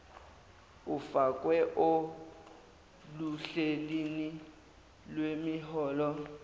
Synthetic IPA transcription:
ʊfakʼwɛʔo | luɬelini | lwemɪɦɔːlɔ

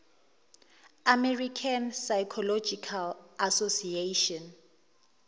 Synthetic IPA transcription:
amɛrikʰansajkʰɔlɔd͡ʒikʰalasosieʃɔn

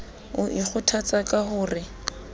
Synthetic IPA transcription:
ʊʔik͡xʰʊtʰat͡sʼakʼahʊːrɪ

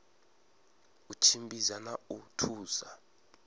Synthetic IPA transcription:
ut͡ʃʰimbizanautʰuːza

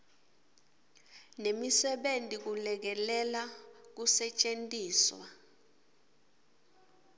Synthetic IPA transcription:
nemisɛɓentʼik̬ulɛk̬ɛlɛlak̬usɛt͡ʃʼentʼiːswa̰

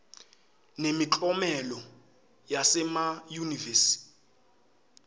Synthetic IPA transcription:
nemit͡ɬʼɔmɛlɔ | jasɛmajunivɛsi̥

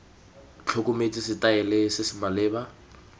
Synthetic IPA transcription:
t͡ɬʰokʊmet͡sʼisɪtaɛlɪsɪsɪmalɪːba

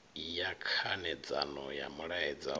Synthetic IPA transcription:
ijakʰanɛd͡za̰nɔja̰muɺaɛd͡za

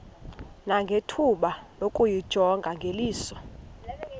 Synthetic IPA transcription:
naŋɡʱetʰuɓalokʼujid̥ʒ̥ʱɔŋɡʱaŋɡʱeliːsɔ

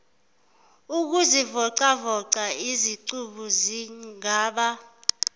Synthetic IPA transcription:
uk̬uzivɔǀavɔǀaiziǀuɓuziŋŋaːɓa

